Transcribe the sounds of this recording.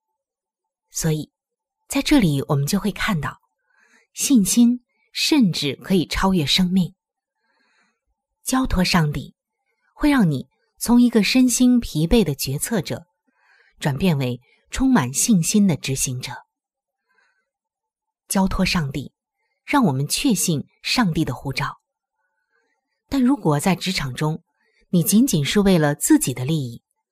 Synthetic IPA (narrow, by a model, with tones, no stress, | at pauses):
swɔ˧˥i˨˩˦ | t͡sa˥˧ɪʈ͡ʂɤ˥˩li˨˩wʔɔ˨˩mə˦nt͡ɕjo˥˧ʊxwe˥˧ɪkʰa˥˧nt̪ɑ˥˩ʊ | ɕi˥˩nɕi˥n | ʂə˥˧nʈ͡ʂɻ̩˥˩kʰɤ˧˥i˨˩ʈ͡ʂʰɑ˥ʊɥɛ˥˩ʂɤ˥ŋmi˥˩ŋ | t͡ɕjɑ˥ʊt̪ʰwɔ˥ʂɑ˥˧ŋt̪i˥˩ | xwe˥˧ɪɻɑ˥˩ŋni˨˩˦ | t͡sʰʊ˧˥ŋi˧˥ɡə˧ʂə˥nɕi˥npʰi˧˥pe˥˩ɪd̪ə˩t͡ɕɥɛ˧˥t͡sʰɤ˥˩ʈ͡ʂɤ̰˨˩˦ | ʈ͡ʂwa˨˩npjɛ˥˧nwe˧˥ɪ | ʈ͡ʂʰʊ˥ŋma˨˩nɕi˥˩ŋɕi˥nd̪ə˨ʈ͡ʂɻ̩˧˥ɕi˧˥ŋʈ͡ʂɤ˨˩˦ | t͡ɕjɑ˥ʊt̪ʰwɔ˥ʂɑ˥˧ŋt̪i˥˩ | ɻɑ˥˩ŋwɔ˨˩mə˦nt͡ɕʰɥɛ˥˧ɕi˥˩n | ʂɑ˥˧ŋt̪i˥˩d̪ə˩xu˥˩ʈ͡ʂɑ˥˩ʊ | t̪a˥˩nɻu˧˥kwɔ˨˩t͡sa˥˩ɪʈ͡ʂɻ̩˧˥ʈ͡ʂʰɑ˨˩ŋʈ͡ʂʊ˥ŋ | ni˨˩t͡ɕi˧˥nt͡ɕi˨˩nʂu˥˧we˥˩ɪlə˩t͡sɹ̩˥˩t͡ɕi˨˩d̪ə˦li˥˧i˥˩